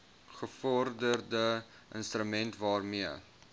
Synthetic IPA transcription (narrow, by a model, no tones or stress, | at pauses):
χəfɔrdərdə | ʔə̰nstrəmɛntvɑːrmiə